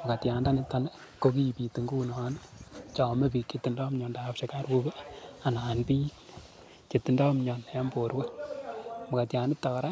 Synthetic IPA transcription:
ma˨ka˨tjaː˨nda˦nɪ˦tːa˨lɛ˦ | ko˦ki˦˨pi˨ti˨ŋɡu˦nː˦n | t͡ʃɔ˨mɛ˦pi˨kːe˨tːi˨ndɔ˦mɲɔ˨ndaː˨pʃe˦ka˦ɾbu˦bɛ˦a˨na˨npi˦k | ke˨ti˨ndɔ˦mɲɔ˨nɛ˦mbo˨ɾwe˦ | maka˨tja˨nɪ˦p̚tːa˨kɾa˦

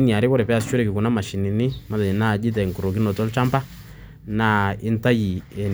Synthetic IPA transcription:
ni˨a˨ɾi˦kɔ˦ɾɛ˨pɛ˦a˨st͡ʃu˦ɾɛ˦ki˨ku˨na˦ma˨ʃi˨ni˨ni˦ma˨˦da˨d͡ʒi˨na˦˨d͡ʒi˦t̬ɛ˨ŋku˨ɾo˨ki˦nɔ˨tɔ˦lt͡ʃa˦mpa˦ | na˦i˦nta˦ji˨ɛ˨

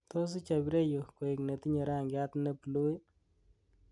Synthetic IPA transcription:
to˦s̬i˦t͡ʃa˨bi˦ɾe˦jo˨ko˨ɪ˨kne˨ti˦ɲe˨ɾa˦˨ŋɡɪ˦a˦tne˦plo˦i˦

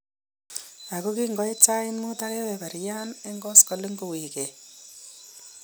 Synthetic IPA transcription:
a˨ko˦ki˦ŋɡɔ˦i˦t͡ʃa˦ɪ˦nmu˦ta˦kɛ˦wɛ˨ba˨ɾja˦ne˦ŋɡɔ˦skɔ˨le˦ŋɡo˨wi˨ke˨

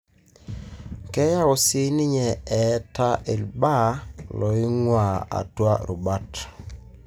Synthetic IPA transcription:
kɛ˦ja˦o˨si˦nɪ˦ɲɛ˨ɛ˨˦ta˦ʔe˨lba˦lɔ˨ɪ˦ŋwa˨a̰˨twa̰˦ɾu˨ba˦t

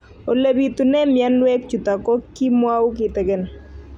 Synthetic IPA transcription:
o˨le˨bi˨t̪u˨nɛ˦mja˦nwɛ˦k̚t͡ʃu˨ta˨kɔ˦kːi˦mwa˦wʊ˦k̬ɪ˨tɛ˨ɡɛ˦n˨

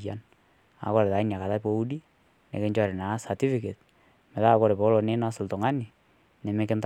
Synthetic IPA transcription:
a˨n | a̰˨kɔ˦ɾɛ˨ta˨˦ɲa˨ka˨ta˦po˦u˦di˦ | nḛ˨ke˦ɲd͡ʒɔ˨ɾɛ˨na˨˦sa˨ti˦fi˨ke˨t | mɛ˨ða˦˨kɔ˦ɾe˨pɔ˨˦lɔ˨ne˦na˦sɪ˨ltɔ˨ŋa˦ni˨ | nɛ˨mɛ˦kɪ˦nt

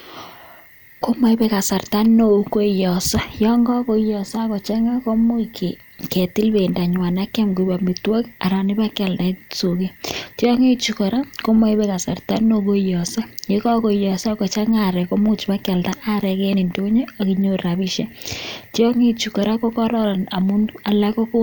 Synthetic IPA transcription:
ko˦ma˦ipɛ˦ka˨sa˨rta˦no˦˨˦ko˦˨jɔ˨sa˦jɔ˦ŋɡɔ˦ko˦jɔ˨sa˦kɔ˨t͡ʃa˦ŋa˦ko˦mu˦ki˨ | kɛ˨ti˦lbe˨nda˨ɲwa˨na˦kɛ˦mɡu˨ba˨mi˨twɔ˦ka˨ɾa˨ni˦ba˦kɛ˨lda˨so˨ke˦tjɔ˦ŋe˦t͡ʃu˨kɔ˨ɾa˦ko˦mɔ˦i˦bɛ˦ka˨sa̰˨rta˦no˦ko˦jɔ˨sa˦je˦kɔ˦ko˨jɔ˨sɔ˦kɔ˨t͡ʃa˦ŋa˦˨ɾɛ˨ko˦mu˦t͡ʃba˦ka˨lda˦ʔa˦ɾɛ˨kɛ˦ni˨ndo˦ɲe˦a˨ki˨ɲo˦a˨bi˦ʃa˦tjɔ˦ŋe˦t͡ʃu˨kɔ˨ɾa˦ko˦kɔ˦ɾɔ˦ɾa˨na˨mu˦na˨la˦ko˦ko˦

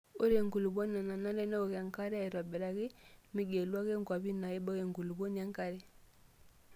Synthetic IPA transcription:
o˦ɾe˨ŋɡu˨lu˨bɔ˦na˨na˨na˦nɛ˦nɛ˦o˨ɣa˨ŋka˦ɾe˦a˦ɛ˨ɾa˨bɛ˨ɾa˨ɣi˦mi˦ɡe˨lwa˦ɣe˦ŋɡwa˨bi˦na˨i˦bɔ˦ɣe˨ŋɡu˨lu˨bɔ˦n˨a˦ŋka˦ɾe˦

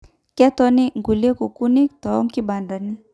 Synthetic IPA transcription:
kɛ˦tɔ˦ni˦ŋɡu˨li˦e˦ku˨ku˦ni˦ktɔ˨ɔ˦ŋki˦ba˨nda˨ni˦

